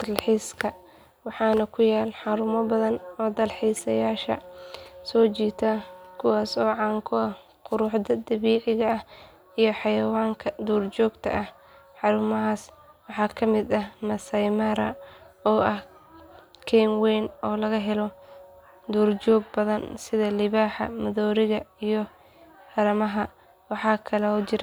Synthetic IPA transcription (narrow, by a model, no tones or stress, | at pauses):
d̪ɐlħiːskʰɐ | wɑħɑːnɐkʰʊjaːlħɑɾʊmɔbɐðɐnɔːd̪ɐlħiːsɐjaːʃɐ̰sɔːt͡ʃiːt̪ʰakʰʊwaːsɔːʕɑːŋkʰʊɐh | qʊɾʊħd̪ɐd̪ɐβiːʕɪɣɐɐh | ijɞħɑjɐwaːŋkʰɐd̪uːrt͡ʃɔːɡt̪ʰɐ̰ʔɐh | ħɑɾʊmɐɦaːs | wɑħɑːkʰɐmɪd̪ɐhmɐsɐjmaɾɐɔːʔɐh | kʰɛnwɛːnɔːlɐɣɐɦɛlɔ | d̪uːrd͡ʒɔːɡ̚bɐðɐnsɪðɐlɪβaːħɐ̰mɐðɔːɾɪɣɐijɔ | hɐɾɐmɐɦɐ | wɑħɑːkʰɐlɛɔːt͡ʃɪɾ